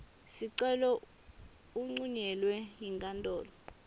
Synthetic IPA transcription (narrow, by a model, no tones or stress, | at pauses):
siǀɛlɔ | uŋ͡ǀuɲɛlwɛjiŋkʼantʼɔːlɔ